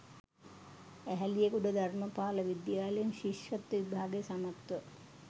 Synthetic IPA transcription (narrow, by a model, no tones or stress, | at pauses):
æɦælijekuɖəd̪ʱarməpaːləʋid̪jaːlejunʃiʃʋɐt̪ːʋibʱaːɡejsamakt̪ʋə